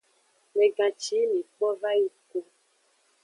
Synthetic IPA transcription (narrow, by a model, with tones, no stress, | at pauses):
me˨ɡã˨t͡ʃi˨˦mi˨k͡pɔ˦va˦ji˦ko˦